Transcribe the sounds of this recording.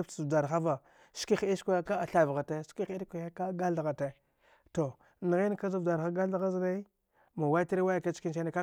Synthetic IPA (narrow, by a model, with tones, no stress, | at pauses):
da˨ɾxa˦va˨ | ski˦xi˦skʷa˦a˦ka˦a˨ɬa˨vɣa˨te˦ski˦xi˦ɾka˦ka˦ɡa˦lɣa˨te˦ | to˨ | ni˨ɣi˦n˦ka˦za˦vda˨ɾa˦ɡa˦lɣa˦zɾa˦i˦ | ma˨wa˦ti˦ɾi˦wa˦ja˨ka˦t͡ʃki˦nt͡ʃe˦na˦ka˦